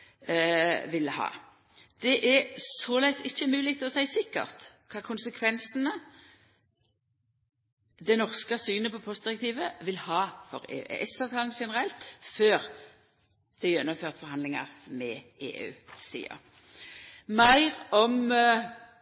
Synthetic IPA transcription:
ʋɪlhɑ̰ː | d̪̥ɛʔɛsɔlæɪsɪçːəmʉːlɪk̚t̪ʰlɔsæɪsɪkːə̰ʁt̪kʰɑːkʰʊnsəkʰʋɛnsənə | d̪ɛnɔʁskəsyːnəpɔpʰɔst̪̚d̪ɪʁɛkt̪iːʋəʋɪlhɑːfɔʁḛːʔɛsɑʋt̪ʰɑːlən̩ʃɛnəʁɛlt̪føːʁ | d̪̥ɛjjɛnːəmføːʁt̪fɔʁhɑnd̪lɪŋɑ̰ʁmɛʔḛːʔʉ̰ːsḭːə̰ʁ | mæɪʁɔm

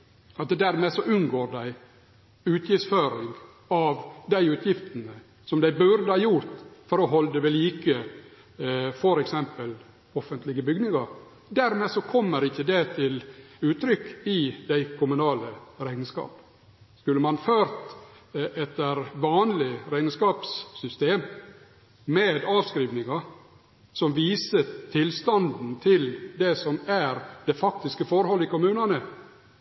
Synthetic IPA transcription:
ɑt̪d̪æɾmeːsɔʔʉnɡoːɾɖ̪æɪ | ʉːt̪ʰjɪftsføːɾɪŋɡ | ɑʋd̪æɪʉːt̪ʰjɪft̪ənə | sɔmd̪æɪbʉɾd̪əhɑːjʊɾt̪fɔɾɔɦɔld̪əʋɛliːkə | fɔɾɛksɛmpəl | ɔfənt̪lɪɡəbʏɡnɪŋɑɾ | d̪æɾmeːsɔkʰɔmːəɾɪçːəd̪ɛt̪ʰɪlʉːt̪ɾʏkːɪd̪æɪkʰʊmʉnɑːləɾæɪnskɑ̰ːp | skʉlːəmɑnføːɾt̪ | ɛt̪ːəɾʋɑːnlɪɾæɪnəskɑːpsːʏst̪eːm | meːd̪ɑːʋskɾiːʋnɪŋɑ | sɔmʋiːsət̪ʰɪlst̪ɑnd̪n̩t̪ʰɪld̪ɛsɔmæɾd̪̥ɛfɑk̚t̪ɪskəfɔɾhɔlːɪkʊmʉːnɑnə

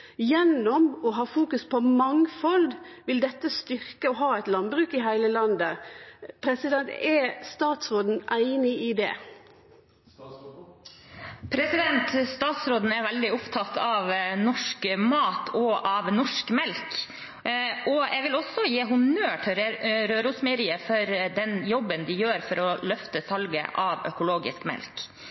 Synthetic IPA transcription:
jɛnːɔmɔɦɑːfuːkʉspʰɔmɑŋfɔld̪ʋɪld̪ɛt̪ːəst̪ʏɾkəɔɦɑːæɪt̪lɑnbɾʉːkɪɦæɪləlɑnd̪əpʰɾɛsɪd̪ɛnt̪ɛst̪ɑːt̪sɾoːd̪n̩æɪnɪid̪ɛ̰ː | pʰɾɛsɪd̪ɛnt̪st̪ɑːt̪sɾoːd̪n̩æɾʋɛld̪ɪʊpt̪ʰɑt̪ʰːɑʋnɔʂkmɑːt̪ʰɔʔɑʋnɔʂkmɛlk | ʔɔʔɛʋɪlɔsːɔjeːɦʊnøːʈʰɪlɾøːɾʊsmeːɾɪəfɔɾd̪ɛnjɔbːənd̪ɪjøːɾfɔɾɔlœft̪əsɑlɡə̰ʔɑʋœ̰kʊloːɡɪ̰skmɛ̰lk

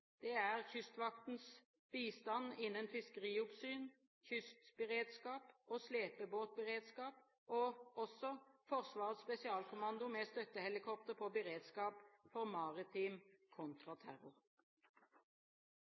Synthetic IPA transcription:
d̪̥ɛːæʁçʏst̪ʋɑkt̪n̩s | b̥iːst̪ɑnɪnːənfɪskəʁiːʊpsyːn | çʏst̪bəʁeːd̪skɑːpoːsleːpəboːt̪̚bəʁeːd̪skɑːp | oːɔsɔfɔʁsʋɑːʁət̪spɛsɪɑːlkʊmɑnd̪ʊmɛst̪œt̪ːəhɛlɪkʰɔp̚t̪əʁpʰɔbəʁeːd̪skɑːpfɔʁmɑʁɪt̪ʰɪːmkʰʊnt̪ʁɑt̪ʰæʁʊʁ

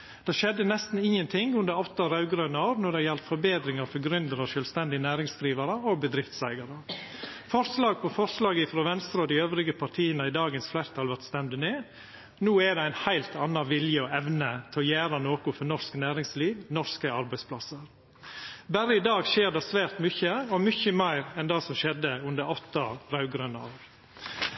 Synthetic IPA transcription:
d̪̥ɛːʃɛd̪ːənɛst̪n̩ɪŋːənt̪ʰɪŋʉnd̪əɾɔt̪ːɑɾɑʉɡɾøːnɑɑːɾnɔɖɛjɛlt̪fɔɾbeːd̪ɾɪŋɑɾfɔɾɡɾʏnd̪əɾɑʃœːlst̪ɛnd̪ɪnæːɾɪŋsd̪ɾiːʋɑɾəɔbəd̪ɾɪft̪sæɪɡɑɾə | fɔɾslɑːɡ̚pɔfɔɾslɑːɡəɪfɾoːʋɛnst̪ɾɑɔd̪ɪøːʋɾɪɡəpʰɑɾʈʰiːənəɪd̪ɑːɡənsflæɪɾt̪ʰɑlʋæɾt̪st̪ɛmd̪əneː | nuːɛd̪ɛæɪnhæɪlt̪ʰɑnːɑʋɪljəɔɛʋnət̪ʰɔjæːɾɑnoːkʊfɔɾnɔɾsknæːɾɪŋsliːʋnɔɾskəɑɾbæɪspʰlɑsəɾ | bæɾəɪd̪ɑːɡʃeːɾɖ̪ɑsʋæːɾt̪mʏçəɔmʏçəmæɪɾɛnd̪ɑsɔmʃɛd̪ːəʉnd̪əɾɔt̪ːɑɾɑʉɡɾœnɑɑːʋ

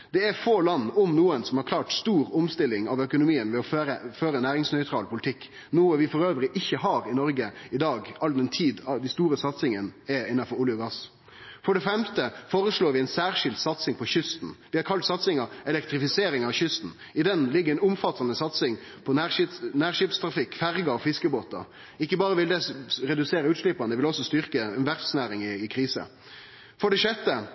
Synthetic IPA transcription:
d̪̥ɛæɾfoːlɑnːʊmnuːənsɔmhɑɾklɑːʈst̪uːɾʊmst̪ɪlɪŋɑʋœkʊnʊmiːənʋɛɔøɾəføːɾənæːɾɪŋsnœʏt̪ʰɾɑːlpʰʊlɪt̪ʰɪkː | nuːəʋɪfɔɾøːʋəɾɪʔɪçːəɦɑːɾɪnɔɾɡəɪd̪ɑːɡɑld̪ɛnt̪ʰiːd̪ɑʋd̪ɪst̪uːɾəsɑt̪sɪŋənɛɪnːɑfɔɾʊljəɡɑs | fɔɖɛfɛmt̪əfoːɾəʂɭoːɾʋɪæɪnsæːɾʂɪld̪sɑt̪sɪŋpʰɔçʏst̪n̩ʋɪhɑɾkʰɑlt̪sɑt̪sɪŋɑɛlɛkt̪ɾɪfɪseːɾɪŋɑʋçʏst̪n̩ | ɪd̪ɛnlɪɡːəɾɛɪnʊmfɑt̪ːɑnəsɑt̪sɪŋ | pʰɔnæːʂɪnæːʁʂɪpst̪ʰɾɑfɪkːfæɾɡɑɔfɪskəboːt̪ɑ̰ | ɪkːəbɑːɾəʋɪld̪ɛɾɛd̪ʉseːɾəʉːt̪ʂlɪpɑnd̪əʋɪlɔsɔst̪ʏɾkəɛnʋæɾfsnæːɾɪŋɪɪkʰɾiːsə̰ | fɔɖɛʂɛt̪ːə

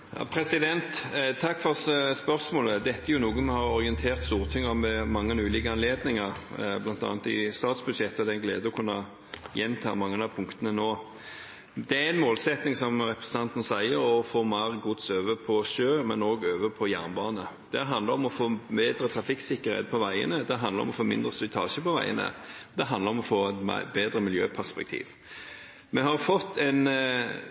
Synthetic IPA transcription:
jɑ̰ːpʰɾɛsɪd̪ɛnt̪t̪ʰːɑkːfɔʁspœʁsmoːləd̪ɛt̪ːəæʁjʊnuːɡənmɛhɑɾɔʁɪɛnt̪ʰeːʁt̪st̪uːʁt̪ʰɪŋːɑmɛmɑŋːənʉːliːkəɑnleːd̪nɪŋɑɾblɑnt̪ɑ̰ːnt̪ɪ̰st̪ɑːt̪sbʉd̪ʂɛt̪ːɔd̪ɛnɡlḛːd̪əɔkʰʉnːɑ | jɛnːt̪ʰɑ̰ːmɑŋːənɑpʰʊŋkt̪ənənoː | d̪ɛæɛnmoːlsɛt̪nɪŋsɔmɾɛpʁɛsəɑnt̪ənəsæɪəɾɔfoːmɑɾɡʊt̪søːʋəpʰɔʃøːmɛnoːɡøːʋəpʰɔjæ̰ːʁnbɑːnə | d̪̥ɛɦɑnd̪əɾɔmɔfoːmeːd̪ɾət̪ʰɾɑfɪksɪkːəɾhḛːt̪̚pʰɔʋæɪə̰nəd̪ɛɦɑnd̪əɾɔ̰mɔfoːmɪnd̪ɾəst̪ʏt̪ʰɑ̰ːʃəpɔʋæ̰ɪə̰nə̰d̪ɛɦɑnd̪ləɾɔmɔfoːɛt̪m̰beːd̪ɾəmɪljøːpʰæʁspɛk̚t̪ʰḭːʋ | mɛhɑɾfɔt̪ʰːɛn

